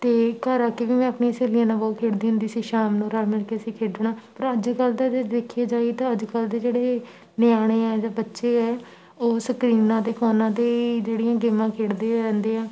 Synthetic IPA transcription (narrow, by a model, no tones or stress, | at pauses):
t̪eːkəɾaːkiʋiːmɛ̃ːəpneːəseːliãːnãːbɔːt̪̚kʰeːɽd̪iːɦʊ̃nd̪iːsiːʃaːmnũːɾaːlmɪlkeːəsĩːkʰeːɽd̪enãːpəɾəd͡ʒkəld̪aed̪ekʰieːd͡ʒaːit̪ãːəd͡ʒkəld̪eːd͡ʒeːɽeː | nɪjaːɽ̃eːɛːd͡ʒãːbətːʃeːɛː | oːsəkɾiːnãːd̪eːkʰɔːnãːd̪eːid͡ʒeːɽijãːɡeːmãːkʰeːɽd̪eːɾɛ̃ːnd̪eːãː